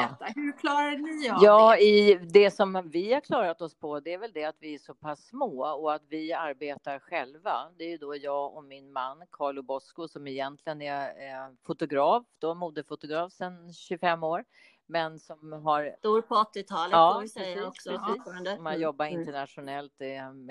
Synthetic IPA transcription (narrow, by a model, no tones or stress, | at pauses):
ɛt̪ːahʉɾkʰlɑːɾanɪjɑːɪd̪ɛsɔmvɪhaɾkʰlɑːɾat̪ɔspʰɔd̪ɛæɾvɛld̪ɛat̪vɪæʂɔpʰasːmoːɔat̪vɪaɾbeːt̪aɾɧɛlvad̪ɛæɾjɵd̪ojɑːɡɔmɪnmanːkʰɑːɭʊbɔskʊsɔmɪjɛnt̪ʰlɪɡənɛfʊt̪ʊɡɾɑːfd̪̥ɔmuːd̪əfʊt̪ʊɡɾɑːfsɛnɕɵfɛmːoːɾ | mɛnsɔmɦaɾd̪uɾpʰɔɔt̪ːɪt̪ʰɑːləɑːsɾɛsiːɔksɔɾand̪əmanjɔbːaɾɪnt̪əɳat̪ʂʊnɛlt̪